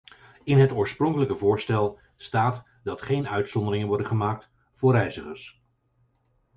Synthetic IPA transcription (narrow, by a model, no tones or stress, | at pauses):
ɪnɦətʊːɹsprɔŋkələkəvʊːɹstɛlˠ | staːt | dɑtχejnœɥtsɔndəɾɪŋənʋɔɹdəχəmaːk̚t | fʊːɹrɛjzəχəɹs